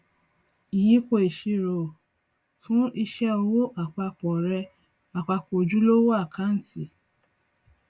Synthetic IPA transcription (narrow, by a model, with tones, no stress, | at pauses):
i˨ji˨˦ko˧i˨ʃi˧ɾo˨ | tũ˦i˧ʃɛ˦o˧wo˦ʔa˨k͡pa˧k͡pɔ˨ɾɛ˧ | a˨k͡pa˧k͡po˨d͡ʒu˦lo˦wo˦a˦˨kʰa˦n̩˦ti˦˨